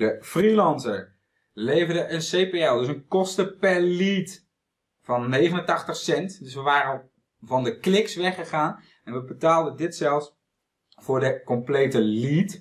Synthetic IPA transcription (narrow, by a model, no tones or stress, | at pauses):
dəfrilɑnzəɹ | lejvərdəʔənsejpeɛlˠdøs̬ənkɔstəpɛɹlit | fɔnːejχənəntɑχtəχsɛntdøsʋəʋaːɾən | vɔndəklɪksʋɛχəχaːn | ɛnʋəbətaːlˠdədɪtsɛlˠfs | fʊːɹdəkɔmpleːtəlit